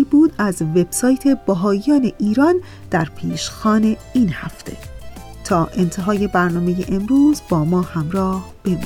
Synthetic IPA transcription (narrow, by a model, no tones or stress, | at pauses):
ibuːd̪æzve̞b̥sɒːjt̪ʰe̞bæɦɒːjɒːne̞ʔiːɾɒːn | d̪̥æɾpʰiːʃxɒːne̞ | iːnhæft̪ʰe̞̰ | t̪ʰɒːʔe̞nt̪ʰe̞ɦɒːje̞bæɾnɒːme̞je̞̰ʔemɾuːzbɒːmɒːhæmɾɒːhb̥e̞mḭ